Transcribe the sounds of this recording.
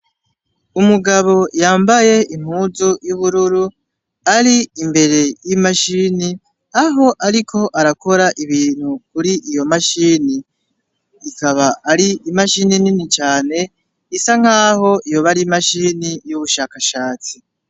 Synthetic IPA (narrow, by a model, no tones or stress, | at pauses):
umuɡaβo̞jaːmbaje̞iŋ̥huːzujuβuɾuɾu | aɾiimbe̞ɾe̞jimaʃiːni | aɦo̞ʔaɾikʰo̞ʔaɾako̞ɾaʔiβiːn̥hukuɾiʔijo̞maʃiːniː | kaβaaɾiimaʃinininit͡ʃaːne̞ | isaŋ̥aːɦo̞ijo̞βaɾimaʃiːnijuβuʃaːkaʃaːt͡si